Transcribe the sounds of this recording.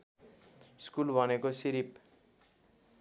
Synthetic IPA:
skulbʱʌnekosiɾip

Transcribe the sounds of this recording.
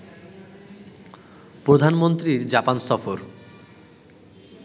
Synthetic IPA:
pɾod̪ʱanmont̪ɾiɾd͡ʑapansɔfoɾ

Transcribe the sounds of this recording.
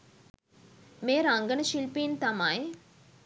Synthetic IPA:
meːɾaŋɡənɐʃilpiːnt̪amaj

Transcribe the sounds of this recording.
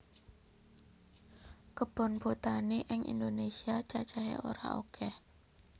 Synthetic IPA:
kəb̥ɔ̤nb̥ot̪aneʔɪŋʔḭnd̪onesiat͡ʃat͡ʃaɦḛʔo̰ɾa̰ʔokʰɛh

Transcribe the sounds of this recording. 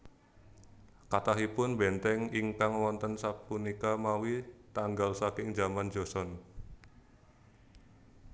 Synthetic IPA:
kat̪aɦipʊnbɛnt̪ɛŋiŋkaŋwɔnt̪ənsapunikamawit̪aŋɡalsakɪŋd͡ʒamand͡ʒosɔn

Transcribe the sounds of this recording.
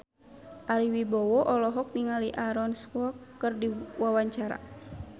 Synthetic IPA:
ʔaɾiwibɔwɔʔɔlɔɦɔk̚niŋaliʔaɾɔnskwɔkːɨrdiwawaɲt͡ʃaɾa̰

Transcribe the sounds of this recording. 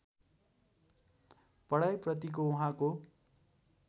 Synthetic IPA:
pʌɽajprʌt̪ik̬ouɦãko

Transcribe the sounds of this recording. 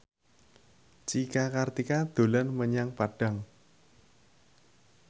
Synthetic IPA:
t͡ʃikakart̪ikad̪̥o̤lanməɲaŋpaɖ̥a̤ŋ

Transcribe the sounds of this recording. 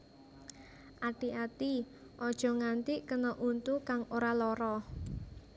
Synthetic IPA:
ʔaʈiʔat̪i | ʔɔd̥ʒ̥ɔ̤ŋant̪iʔkənɔʔunt̪ukaŋoɾalɔɾɔ

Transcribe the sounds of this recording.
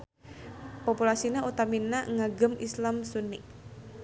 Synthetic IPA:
populasinaut̪aminaŋaɡəmislamsunɪk̚

